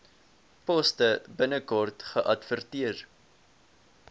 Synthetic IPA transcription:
pɔstəbənəkɔrtχəʔɐtfərtiər

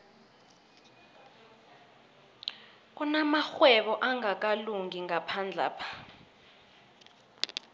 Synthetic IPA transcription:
k̬unamaxwɛɓɔʔaŋak̬ʼaluŋiŋapʰand͡ɮʱa̰ːpʰḁ

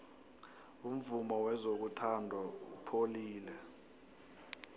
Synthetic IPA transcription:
um̩vumɔwɛzok̬utʰandʱaṵpʰoliːlɛ

